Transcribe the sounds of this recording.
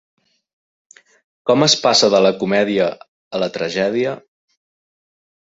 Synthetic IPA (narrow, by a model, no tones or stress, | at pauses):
kɔməspasəðələkumɛðiəː | lət̪ɾəʒɛðiə